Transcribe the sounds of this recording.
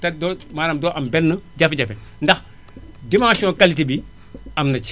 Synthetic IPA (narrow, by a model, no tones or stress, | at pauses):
tadomaɾamdoːʔambɛnːəd͡ʒafid͡ʒafindax | dimãʃiokalitibi | amnat͡ʃ